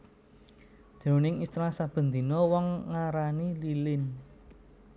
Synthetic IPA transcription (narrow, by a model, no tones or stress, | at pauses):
d̪̥o̤nɪŋist̪ɾasab̥ə̤nd̪inɔwɔŋːaɾanililɪn